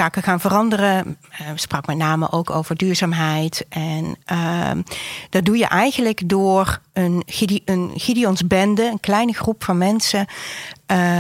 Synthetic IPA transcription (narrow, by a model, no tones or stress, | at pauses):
zaːkəχaːnvərɑndərəsprɑkmɛtnaːmə̰ʔowkowvəɹdyːɹzaːmɦɛjtʔɛnə | d̥ɑt̚dujə̰ʔɛjɣənləkdʊːrənənɣidiɔnzbɛndəənklɛjnəxrupfɑnmɛnsə